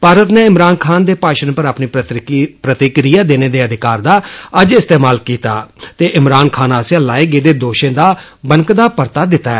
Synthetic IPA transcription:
paːɾət̪neːɪmɾaːnkʰaːnd̪eːpaːʃənpəɾaːpniːpɾət̪ikɾijaːd̪eːneːd̪eːəd̪ɪkaːɾd̪aːəd͡ʒɪst̪eːmaːlkiːt̪a̰ːt̪eːʔɪmɾaːnkʰaːnaːsjãːlaːeːɡeːd̪eːd̪oːʃẽːd̪aː | bəŋkd̪aːpəɾt̪aːd̪ɪt̪aːɛː

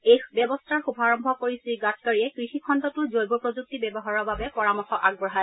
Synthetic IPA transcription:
ejbɛbɔstʰaɹxubʱaɹɔmbʱɔkoɹisiɡat̚kaɹiɛkɹixikʰɔntɔtʊzojbɔpɹozuk̚tibɛbɔɦaɹɔɹbabɛpɔɹamɔxɔʔaɡ̚bɹɔɦaj

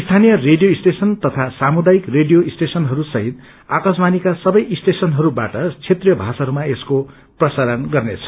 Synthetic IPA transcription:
ist̪ʰanijʌreɖijoisʈesʌnt̪ʌt̪ʰasamud̪ajikreɖijoisʈesʌnɦʌɾusʌɦit̪̚ | akasmanikasʌbʌjʔisʈesʌnɦʌɾubaʈʌt͡sʰet̪rijʌbʱasaɦɾumaesko | prʌsaɾʌnɡʌrnet͡sʰʌ̥

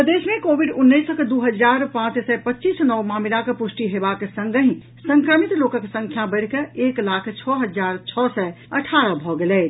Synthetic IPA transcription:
əd̪esmẽkobiɖunːəjsəked̪uɦəd͡ʒaɾpãt͡ʃsɛpətːt͡ʃisnɔwmamilakepusʈiɦebaksə̃ŋɡəɦĩ | səŋkɾəmit̪lokəksə̃ŋkʰjãbəɽ̤keeklakʰt͡ʃʰɔɦəd͡ʒaɾt͡ʃʰɔsɛ | əʈʰaɾəbʱɔɡelɛ

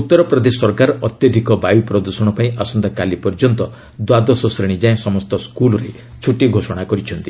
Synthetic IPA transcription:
ut̪ːɔɾɔpɾɔd̪esɔɾkaɾɔɔt̪jɔd̪ʱikɔbajupɾɔd̪usɔɽ̃ɔpaĩʔasɔnd̪akalipɔɾd͡ʒɔnt̪ɔ | d̪wad̪ɔsɔsɾiɽ̃id͡ʒaẽsɔmɔst̪ɔskulɔɾe | t͡ʃʰuʈiɡʱosɔɽ̃akɔɾit͡ʃʰɔnt̪i

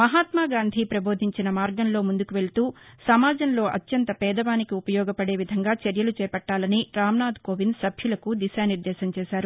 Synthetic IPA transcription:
mɐɦaːt̪maːɡaːnd̪ʱipɾɐbo̞ːd̪ʱiɲt͡ʃinɐmaːɾɡɐnlo̞ːmund̪ukuʋe̞ɭt̪uːsɐmaːd͡ʒɐnlo̞ːʔɐ̰t̪jɐnt̪ɐpɛːd̪ɐʋaːnikiupɐjɔːɡɐpɐɽe̞ːʋid̪ʱɐŋɡaːt͡ʃɐɾjɐlut͡ʃɛːpɐʈːaːlɐniɾaːmnaːd̪koːʋinsɐbʱjulɐkud̪iʃaːniɾd̪ɛːʃɐmt͡ʃɛːʃaːɾu

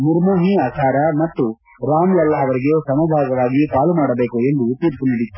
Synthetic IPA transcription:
muɾmuːɦiaːkʰaːɾɐmɐt̪ːu | ɾaːmlɐlːɐɐʋɐɾiɡe̞sɐmɐb̪ʱaːɡɐʋaːɡipaːlumaːɽɐbeːkue̞nd̪ut̪iɾpuniɽit̪ːu̥

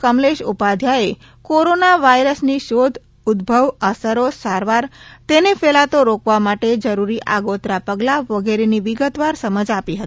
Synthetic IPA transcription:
kəmleʃupad̪ʱjae | koɾonaʋaiɾəsniʃod̪ʱ | ʊd̪bʱəʋəsəɾosaɾʋaɾt̪enefelat̪oɾokʋamaʈed͡ʒəɾuɾiʔaɡot̪ɾapəɡlaʋəɡeɾeniʋiɡət̪ʋaɾsəməd͡ʒapiɦət̪i

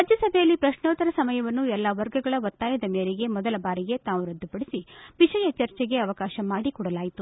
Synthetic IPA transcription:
ɾad͡ʒʱjɐsɐbʱejɐlːipɾɐʃnoːt̪ɐɾɐsɐmɐjɐʋɐnːuɛlːaʋɐɾɡɐɡɐɭɐʋɐt̪ːaːjɐd̪ɐmeːɾeɡe̞mɔd̪ɐlɐbaːɾiɡe̞t̪aːʋuɾɐd̪ːupɐɽisiʋiʃɐjɐt͡ʃɐɾt͡ʃɛɡe̞ɐʋɐkaːʃɐmaːɽikɔːɽɐlaːjit̪u

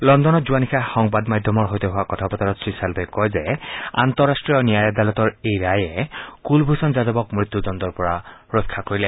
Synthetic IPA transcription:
lɔndɔnɔtzuwanixʰaxɔŋbadmadʱjɔmɔɹɦojtɔɦʊwakɔtʰapɔtaɹɔtsɹisalbɔjkɔjzɛa̰nt̪ɔɹastɹiɔɹnijajad̪alɔtɔɹejɹajɛkulbʱusɔnzadɔbɔkmit̪ːudɔndɔɹpɔɹaɹokʰːakoɹilɛ

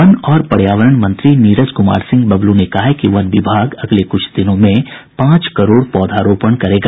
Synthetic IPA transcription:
ɐnɔːɾpɐɽjaːʋəɾəɳmɐ̃nt̪ɾiniːɾəd͡ʒkʊma̰ːɾsɪ̃ŋɡ̚bɐblunekɐɦakiʋɐnʋɪbʱaːɡɐɡlekʊt͡ʃʰd̪ɪnõmẽpãːt͡ʃkɐɾoːɽpɔːd̪ʱaːɾoːpəɳkɐɾeːɡaː

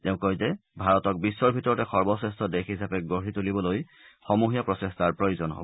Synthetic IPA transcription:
tɛʊ̃kɔjzɛbʱaɹɔtɔk̚bisːɔɹbʱitɔɹɔtɛxɔɹbɔsestʰɔdexɦisapɛɡoɹitulibɔloj | xɔmuɦijapɹɔsestaɹpɹojozɔnɦo̰bɔ

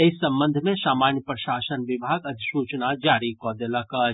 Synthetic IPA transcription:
esɐ̃mbə̃nd̪ʱmẽsaːmaːnjəpɾəʃaːsənʋɪbʱaːɡɐd̪ʱsut͡ʃnad͡ʒaːɾikɔːd̪eləkə

